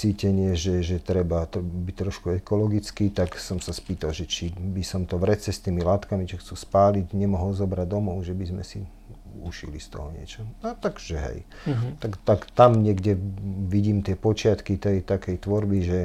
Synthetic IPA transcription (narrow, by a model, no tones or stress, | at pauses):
t͡siːcɛɲɪɛʒɛʒɛt̪ɾɛbat̪bit̪ɾɔʃkuɛkɔlɔɡit͡skiːt̪aksɔmsaspiːt̪alʒɛt͡ʃibisɔmt̪ɔʋɾɛt͡sɛst̪iːmilat̪kamit͡ʃɔxt͡suːspaːliɟɲɛmɔɦɔlzɔbɾaɟ̚d̪ɔmɔʊʒɛbizmɛ̰sḭ | uʃḭlist̪ɔ̰ɦɔɲɪɛ̰t͡ʃɔnat̪aɡʒ̥ɛɦɛ̰j | t̪akt̪akt̪amɲɪɛɡɟɛʋiɟiːmt̪ɪɛpɔt͡ʃɪat̪kit̪ɛjt̪akɛjt̪ʋɔɾbiʒɛ